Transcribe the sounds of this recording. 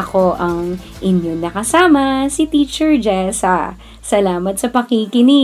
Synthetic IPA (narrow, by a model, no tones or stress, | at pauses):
ɐko̞ʔɐŋʔɪnjonɐkɐsaːmɐsit̪iːt͡ʃɛɹd͡ʒɛsɐ | sɐlaːmɐt̪sɐpɐkikɪni